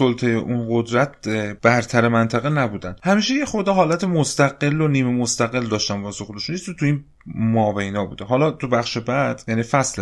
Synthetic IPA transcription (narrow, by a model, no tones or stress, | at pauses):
solt̪ʰejeʔunɢo̞d̪ɾæt̪̚ʰb̥æɾt̪ʰæɾemænt̪ʰæɣenæbuːd̪ænd̪̥hæmiːʃejexo̞ɾd̪ɒːɦɒːlæt̪ʰemost̪æɡe̞lːoniːmemost̪æɣe̞ld̪ɒːʃt̪ænvɒsoxoleʃunisit̪ʰuiːn | mɒːbejnɒːbṵːd̪eɦɒːlɒːt̪ʰubæχʃebæd̪̥jæniːfæsle